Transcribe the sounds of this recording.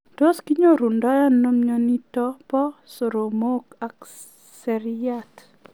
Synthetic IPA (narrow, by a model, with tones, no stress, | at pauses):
to˦ski˦ɲo˦ɾu˨ndɔ˦ja˦no˦mɲɔ˦ni˦tɔ˦pɔ˦so˨ɾo˨moka˨k | sɛɾjat